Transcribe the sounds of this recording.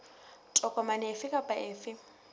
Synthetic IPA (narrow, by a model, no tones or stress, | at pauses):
tʼɔkʼɔmanɛːfɪkʼapʼaʔeːfɪ